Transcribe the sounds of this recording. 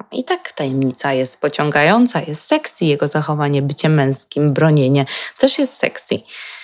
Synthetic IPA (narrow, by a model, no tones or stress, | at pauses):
ḭt̪akt̪ajɛmɲit̪sajɛst̪̚pɔt͡ɕɔŋɡajɔnt̪sajɛst̪sɛksʲijɛɡɔzaxɔvaɲɛbɘt͡ɕɛmːɛ̃w̃skʲimbɾɔɲeɲɛt̪ɛʂjɛst̪sɛ̰ksʲḭ